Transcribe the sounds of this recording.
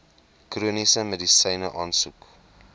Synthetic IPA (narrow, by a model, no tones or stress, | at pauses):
kruənisəmədisɛjnəʔɑːnsuk